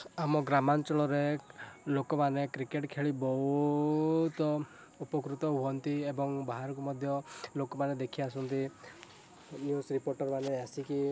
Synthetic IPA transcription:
amɔɡɾamant͡ʃɔɭɔɾelokɔmanekɾikeʈkʰeɭibɔɦu | t̪ɔ | upɔkɾut̪ɔɦuɔnt̪iebɔŋbaɦaɾɔk̬umɔd̪ʱjɔlokɔmaned̪ekʰiasɔnt̪i | njusɾipoɾʈɔɾmaneasiki

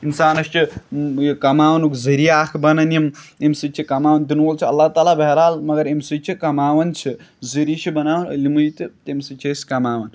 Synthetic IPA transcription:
insaːnɐst͡ʃʰi | kɐmaːʋɐnukzɐɾiaːkʰbɐnɐnimemsɨt͡ʃʰikɐmaːʋɐnt̪inuoːlt͡ʃʰiɐlːaːt̪aːlabɐɦɾaːlmɐɡɐɾemsɨt͡ʃʰikɐmaːʋɐnt͡ʃʰi | zɨɾit͡ʃʰibɐnaːʋɐnlʲimuit̪ɨt̪emsɨt͡ʃʰeskɐmaːʋɐn

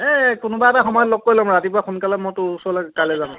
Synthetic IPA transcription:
ɛkʊnʊbaɛtaxɔmɔjɔtlok̚kːoɹilɔ̃mɹatip̬ʊaxunkalɛmɔtʊusɔɔlaɡɛkalɛzanʊ̃

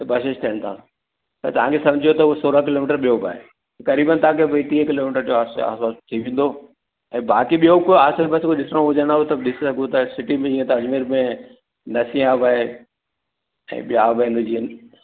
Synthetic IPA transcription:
t̪ɐbɐʃɪʃt̪ʰijəɽ̃t̪ʰã̰ː | t̪ɐt̪ɐʋ̤ãkʰesɐ̃md͡ʑʱijot̪ɐʊɦesoːɾakɪloːmɪʈəɾɓijoba̰ːɦe | kɐɾiːbənt̪ɐãkʰebɐit̪ĩːkɪloːmɪʈəɾd͡ʑoːaːsa̰ːsaːst̪ʰiʋẽːn̆d̪o | ɛ̃ːbaːkiɓijokoaːsəɾbɐskoɗɪsõʋʊd͡ʑəɽ̃aːɦot̪ɐɗɪsɪsɐɡʱot̪ɐsɪʈimẽd͡ʑĩːə̃t̪azmiɾmẽ | nɐsĩaːbaːɦe | ɛ̰̃ːɓɪjaːbɪnd̪d͡ʑiə̃

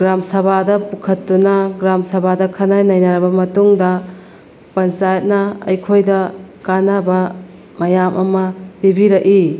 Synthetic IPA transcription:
ɡɾamsɐbadɐpukʰɐtːunɐɡɾamsɐbʱadɐkʰɐnajnɐjnɐɾɐbɐmɐtuŋdɐ | pɐnt͡ʃajɐt̚nɐɐ̰jkʰojdɐkanɐbɐ | mɐjamʔɐmɐbibiɾɐki

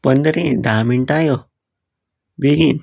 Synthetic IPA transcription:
pənd̪əɾĩd̪ʱaːmiɳʈaːjo | biɡin

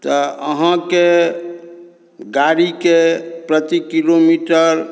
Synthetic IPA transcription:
t̪ɔəɦãke | ɡaɾikepɾət̪ikilomiʈəɾ

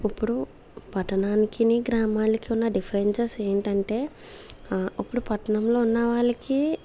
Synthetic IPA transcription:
ɐpːuɽu | pɐʈɐnaːnikiniɡɾaːmaːlikiunːɐɖipʰɐɾent͡ʃɐseːɳʈɐɳʈe̞ː | ɐpːuɽupɐʈɐnɐmlo̞ːunːɐʋaːɭɐki

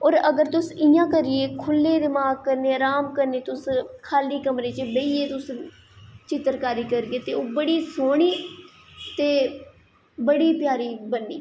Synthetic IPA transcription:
ɔːɾəɡəɾt̪ʊsɪjãːkəɾɪeːkʰʊlːeːd̪ɪmaːɡ̚kəɾneːɾaːmkəɾneːt̪ʊskʰaːliːkəmɾeːt͡ʃbeieːt̪ʊs | t͡ʃɪt̪əɾkaːɾiːkəɾɡeːt̪eːoːbəɽiːsoːɽ̃iː | t̪eː | bəɽiːpjaːɾiːbənɖiː

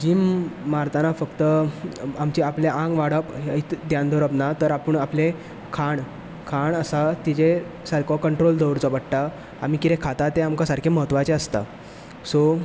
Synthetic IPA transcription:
d͡ʑiːmːaɾt̪anafəkt̪əamt͡ɕiapleʔãŋɡʋaɽəpɦait̪d̪jãnd̪ʱɔɾəbnat̪əɾapəɳaple | kʰaɳ | kʰaɳəsat̪id͡ʑesəlkɔkəɳʈɾold̪ʱəwɾt͡sɔpəɽʈa | am̤ikit̪ekʰat̪at̪eamkasaɾkʰeməɦət̪ːʋat͡ɕeəst̪a̰ | so

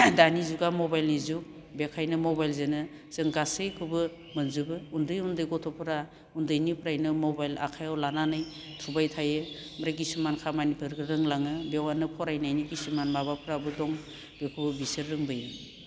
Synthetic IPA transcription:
danizuɡamɔbajlnizuk̚ | bekʰajnɯmɔbajlzenɯ | zɯŋɡasɯjkʰɯbɯ | mɯnzɯbɯundɯjundɯjɡɔtʰɔpʰɯɾa | undɯjnipʰɾajnɯmɔbajla̰kʰajawlananɯj | tʰubajtʰajɯ | mɾaɡisumankʰamanipʰɯɾɡɯɾɯŋlaŋɯbewanɯpʰɔɾajnajniɡisumanmabapʰɯɾabɯdɔŋ | bekʰɯbɯbisɯɾːɯŋbɯjɯ

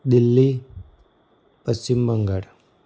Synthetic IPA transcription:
d̪ilːi | pəst͡ɕimbəŋɡaɽ

